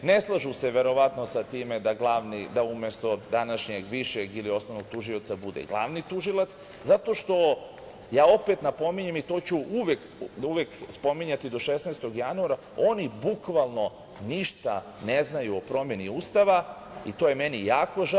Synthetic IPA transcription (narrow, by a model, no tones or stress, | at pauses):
neslˠaʒuse̞ʋe̞ɾo̞ʋat̪no̞sat̪iːmed̪aɡlˠaʋnid̪aumest̪o̞d̪anaʃɲeɡʋiʃeɡilio̞sno̞ʋnoɡ̚t̪uʒiot̪sabud̪ḛɡlˠa̰ʋnit̪uʒilˠat̪s | zat̪o̞ʃt̪o̞ | jaːo̞pet̪napo̞miɲemit̪o̞ːt͡ɕuʔuʋek | uʋekspo̞miɲat̪id̪o̞ʃesnest̪o̞ɡjanuaɾa | o̞nibukʋalˠno̞ | niʃt̪a | neznajuopɾo̞mje̞niuːst̪aʋa | it̪oːjemenijaːko̞ʒ